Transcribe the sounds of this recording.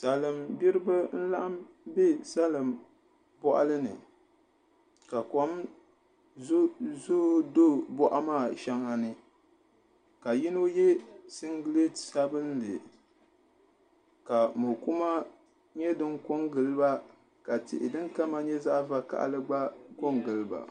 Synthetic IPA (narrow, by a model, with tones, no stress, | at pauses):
sa˨lɨ˨mbi˦ɾɨ˦bɨ˦n̩˦la˦ʔa˦m | bɛ˦sa˦lɨ˨m | bɔ˦ʔa̰˦lɨ˦nɨ̰˨ | ka˨kɔ˨˦m˦ | zo˦do˦bɔ˦ʔa˦maː˦˨ʃɛ˦ŋa˨nɨ˨ | ka˨ji˦no˦jɛ˦sɪ˦ŋɡle˦tsa˦bɨ˦n˦lɨ˨ | ka˨mo˨ku˦ma˦ | ɲɛ˦dɨ˦ŋko˦ŋɡɨ˨lɨ˦ba˦ | ka˨tɪ̰˨ʔɪ̰˨dɨ˦ŋka˦ma˦ɲɛ˦za˦ʔva˦ka̰˦˨ʔa̰˦lɨ˦ɡ͡ba˦ko˦ŋɡɨ˨lɨ˦ba̰˨